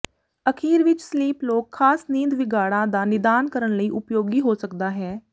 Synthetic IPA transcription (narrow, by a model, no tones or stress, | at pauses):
əkʰiːɾʋɪt͡ʃsliːploːkʰːaːsnĩːnd̪ʋɪɡaːɽãːd̪aːnɪd̪aːnkəɾənləiːʔʊpjoːɡiːɦoːsəkd̪aːɦɛː